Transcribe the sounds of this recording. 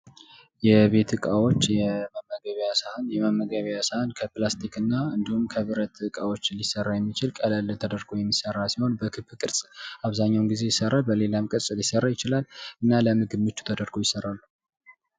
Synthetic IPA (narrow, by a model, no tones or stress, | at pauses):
jɛβe̞t̪ɨkʼawo̞t͡ʃːjɛməmːəɡəβjasəhanjɛməmːəɡəβjasahankʰəplast̪ʰikɨnːaɨnd̪ihumkʰəβɨɾət̪ɨkʼawo̞t͡ʃːlisərːajɛmːit͡ʃɪlkʼələlt̪ʰəd̪əɾɡojɛmːisərːalsiho̞nbəkʰɨbkʼɨɾsʼaβzaɲːawnɡize̞jɪsərːalbəle̞lamkʼɨɾsʼɨljɪsərːajɪt͡ʃɪlalʔɨnːaləmɨɡɨbmːɨt͡ʃːu̥t̪ʰəd̪əɾɡojɪsərːalːu